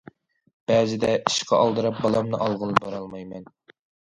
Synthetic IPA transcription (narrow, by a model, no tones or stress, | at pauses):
b̥ɛːzɪd̪ɛi̥ʃqʰɑʔɑlˠd̪ɨɾɑp̚bɑlˠɑmnɨʔɑlˠʁəlˠɨbɑɾɑlˠmɑjmɛn